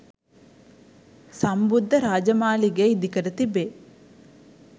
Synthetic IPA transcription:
sɐmbud̪ʱːɐɾaːd͡ʒɐmaːliɡeid̪ʱikɐɾɐt̪ibe

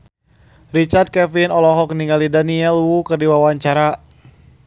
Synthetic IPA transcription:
rit͡ʃard̪̚kɛfinɔlɔɦɔkniŋɡalidaniɛlwukərdiwawaɲt͡ʃaɾa

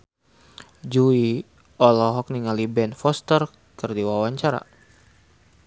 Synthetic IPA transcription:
d͡ʒui | ɔlɔɦɔk̚niŋalibɛnfɔst̪ər | kɨrdiwawaɲt͡ʃaɾa̰

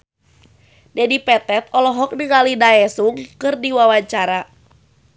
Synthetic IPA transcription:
dɛdipɛt̪ɛt̪̚ɔlɔɦɔk̚nɨŋalidaɛsuŋkɨrdiwawaɲt͡ʃaɾa

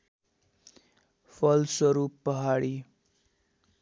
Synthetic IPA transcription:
pʰʌlswʌɾupːʌɦaɽi

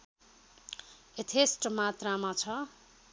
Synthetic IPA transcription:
et̪ʰesʈmat̪ramat͡sʰʌ

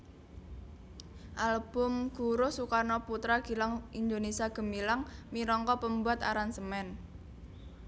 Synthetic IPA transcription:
ʔalb̥ʊmɡ̥ṳɾosukarnɔput̪ɾaɡ̥i̤laŋʔind̪onesiaɡ̥ə̤milaŋmiɾɔŋkɔpəmbuat̪aɾansəmɛn

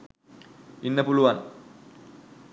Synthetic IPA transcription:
inːəpuluʋan

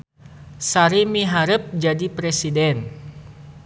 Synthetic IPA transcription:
saɾimiɦaɾəp̚d͡ʒadipɾɛsidɛn

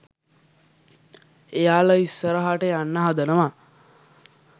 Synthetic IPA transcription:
ejaːləisːəɾəɦaʈəanːəɦad̪ənəʋa

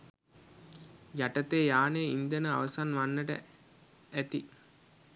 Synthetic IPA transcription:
jaʈɐt̪eːjaːneːind̪enəa̰ʋɐsanʋanːɐʈə̰ | æt̪i

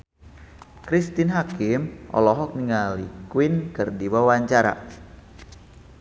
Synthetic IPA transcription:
kɾist̪ɪnɦakɪmʔɔ̰lɔɦɔk̚niŋalikwɪnkɨrdiwawaɲt͡ʃaɾa̰

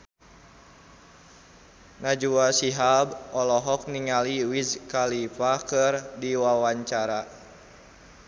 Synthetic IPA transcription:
nad͡ʒuasiɦabɔlɔɦɔk̚niŋaliwizkalipakɨrdiwawaɲt͡ʃaɾa

